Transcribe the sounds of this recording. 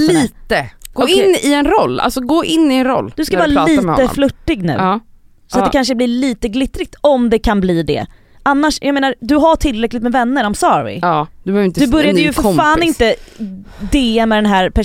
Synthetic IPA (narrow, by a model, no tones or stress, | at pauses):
liːt̪əɡ̥oɪnːɪɛnɾɔlːa̰lsɔɡoːʔɪnːɪɛnɾɔ̰lːd̪ɵskavaːɾalːiːmɛɔəɔ̰flɵʈːɪɡnʉ̰ː | sat̪d̪ɛkʰanʂ̬əblɪliːt̪əɡlɪt̪ːɾɪɡ̚t̪ɔmd̪ɛkʰanbliːd̪ɛ̰ | ʔanːaʂjʔaɡmeːnaɾd̪ɵɦaʈʰɪlːɾɛklɪt̪mɛvɛnːəɾɔmsɑːɾvɪ̰ːd̪̥ɵbœvɾɪnd̪ɵbɵɾjaəjɵffaːnɪnt̪ə | d̪emɛd̪ɛnɦæːɾpʰæ